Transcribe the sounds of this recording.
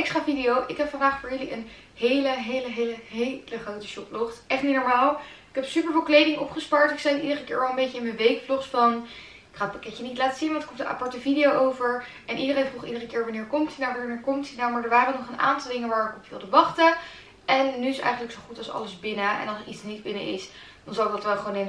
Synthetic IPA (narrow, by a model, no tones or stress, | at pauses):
ɪkstraːvidijowʔɪkɦɛpfɑndaːχfʊːɹjɵliən | ɦejləɦejləɦejləɦejləχrowtə̥ʃɔplɔχtʔɛχtnitnɔɹmaːlˠɪkɛpsypəɹvɪlˠklejdɪŋʔɔpχəspɑɹtɪksɛjtidərəkɪ̰ːɹʋɑlˠəmbejcəɪnmənʋejkflɔχsfɑn | ɪkχadət̚pɑkɛcənitlaːtəz̥inʋɑ̃ntɪ̥kɔptəʔa̰pɑɹtəvidijowʔowvəɹ | ʔɛnʔidərejnvruχidərəkɪːɹʋɑnɪːɹkɔmtidaʋnɪːɹkɔmtidamaːɹdəɹʋaːɾəənɔχənʔa̰ːntɑlˠdɪŋənʋaːɹɪkɔpʋɪ̰lˠdəʋɑχtə | ɛnːyɪsɛ̰jxχənləksowχutɑlˠsɑ̰ləzbɪnəʔɛ̰nɑlˠsəɹitsnidbɪnə̰ʔɪ̰s | dɑnzɑlˠɪk̚dɑtʋɛlˠχəʋone